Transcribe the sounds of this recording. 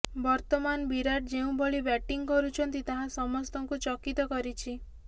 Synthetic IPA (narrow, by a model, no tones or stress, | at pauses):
bɔɾt̪ɔmanbiɾaʈ̚d͡ʒeũboɭibɛʈiŋkɔɾut͡ʃʰɔnt̪it̪aɦãsɔmɔst̪ɔŋkut͡ʃɔkit̪ɔkɔɾit͡ʃʰi